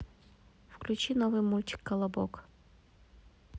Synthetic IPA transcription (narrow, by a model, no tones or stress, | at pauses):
fklʲʉt͡ɕinovɨjmulʲtʲɪ̥kːɐlˠɐbo̰k